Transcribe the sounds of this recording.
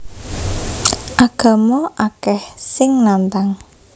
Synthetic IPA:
ʔaɡ̥ä̤mɔʔakɛhsɪŋnant̪aŋ

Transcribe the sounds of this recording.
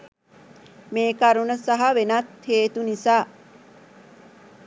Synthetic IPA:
meːkɐɾunəsaɦaʋenɐt̪heːt̪unisaː

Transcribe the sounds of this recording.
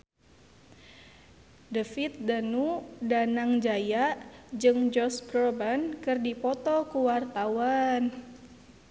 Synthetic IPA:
dəfit̪̚danudanaŋd͡ʒajad͡ʒɨŋd͡ʒɔskrɔbankɨrdipɔt̪ɔkuwart̪awan

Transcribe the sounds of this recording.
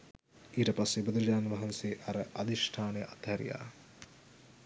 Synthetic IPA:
iːʈɐpɐsebɐd̪ɾd͡ʒaːnʋɐɦɐnseːʔɐɾəʔɐd̪iʂʈʰaːnejɐʔɐt̪hɐɾḭja̰ː

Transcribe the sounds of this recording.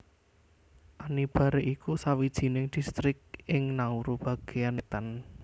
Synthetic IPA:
ʔanib̥a̤ɾeʔikusawid̥ʒ̥i̤nɪŋd̪̥i̤st̪ɾɪk̚ʔɪŋnauɾub̥a̤ɡ̥e̤anet̪ən

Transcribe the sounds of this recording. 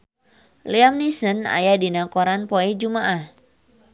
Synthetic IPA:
liamnisəna̰jadinakɔɾanpoɛd͡ʒumaʔah

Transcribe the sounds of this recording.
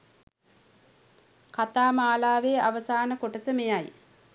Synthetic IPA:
kat̪aːmaːlaːʋeːaʋəsaːnəkoʈəsəmejaj

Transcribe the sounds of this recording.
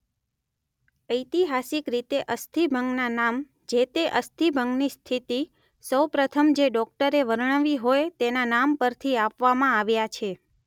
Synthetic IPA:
əjt̪iɦasikɾit̪eʔəst̪ʰibʱəŋɡnanam | d͡ʒet̪eʔəst̪ʰibʱəŋɡnist̪ʰit̪i | səwpɾət̪ʰəmd͡ʒeɖɔk̚ʈəɾeʋəɾɳəʋiɦojt̪enanampəɾt̪ʰiapʋamãaʋjat͡ʃʰe

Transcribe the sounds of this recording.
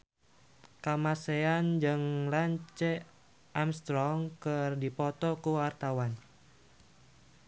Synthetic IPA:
kamaseand͡ʒɨŋlaɲt͡ʃɛ | ʔamst̪ɾɔŋkɨrdipɔt̪ɔkuwart̪awan

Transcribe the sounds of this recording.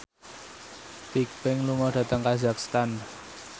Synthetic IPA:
t̪ik̚pɪŋluŋɔɖ̥ä̤t̪əŋkazakst̪an

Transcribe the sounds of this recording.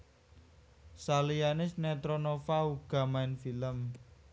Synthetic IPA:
salijanɪsnet̪ɾonofauɡ̥a̤maɪnfiləm

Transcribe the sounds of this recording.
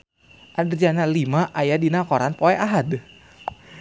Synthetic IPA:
ʔadərd͡ʒanalimaʔajadinakɔɾanpoɛaɦad

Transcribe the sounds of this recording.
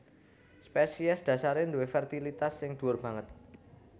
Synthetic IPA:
spɛsiɛsd̪̥ä̤saɾɪnd̪uwɪfɛrt̪ilit̪asːɪŋd̪̥ṳʊrb̥ä̤ŋət̪̚

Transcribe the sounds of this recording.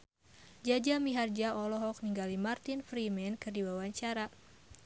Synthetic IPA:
d͡ʒad͡ʒamiɦard͡ʒaʔɔlɔɦɔk̚niŋɡalimart̪infɾimɛnkɨrdiwawaɲt͡ʃaɾa

